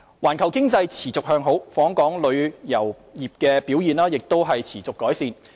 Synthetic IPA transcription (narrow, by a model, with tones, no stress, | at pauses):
waː˨˩nkʰɐ˨˩wkɪ˥ŋt͡sɐ˧jt͡sʰiː˨˩t͡sʊ˨k̚hœː˧ŋɦo˨˥wfɔː˨˥ŋkɔː˨˥ŋlɵ˨˧ɥjɐ˨˩w | jiː˨p̚kɛː˧piː˨˥wjiː˨˧nlaː˥jɪ˨k̚t̪o˥wɦɐ˨jt͡sʰiː˨˩t͡sʊ˨kːɔː˨˥jsiː˨˧n